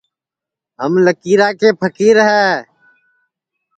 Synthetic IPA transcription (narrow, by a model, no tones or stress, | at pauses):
ɦəmləkiːɾaːkeːpʰəkiːɾəɦɛː